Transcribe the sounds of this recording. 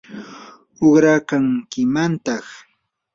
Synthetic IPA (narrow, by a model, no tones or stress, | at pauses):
oχɾakaŋkɪmant̪ɑχ